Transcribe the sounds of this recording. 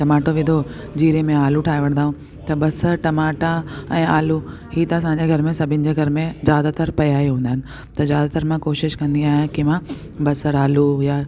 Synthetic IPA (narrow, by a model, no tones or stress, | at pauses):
ʈɐmaːʈoʋɪd̪ʱo | d͡ʑiːɾemẽaːluʈʰaːiʋɐɽ̃nd̪aːɦũ | t̪ɐbɐsəɾʈɐmaːʈaɛ̃ːaːlu | hiːt̪ɐɐsãːɲd͡ʑeɡʱɐɾmẽsɐbʱɪnɪ̆d͡ʑeɡʱɐɾmẽzaːd̪at̪əɾpɐjaːiɦũːnd̪aɦɪnɪ̆ | t̪ɐzjaːd̪at̪əɾmãkoːʃɪʃkɐ̃nd̪iaːɦijãkimã | bɐsəɾaːlujaː